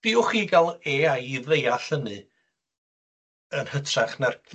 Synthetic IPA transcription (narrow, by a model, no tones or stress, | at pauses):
d̥ɪʊχiːɡalˠeːajivejaɬənɨ | ənhətʰraχnar